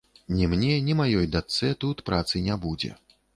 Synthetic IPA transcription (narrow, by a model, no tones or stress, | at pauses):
nʲɛmnʲɛnʲimajɔjd̪at̪sɛt̪ut̪pɾat̪sɨnʲabud͡zʲɛ̰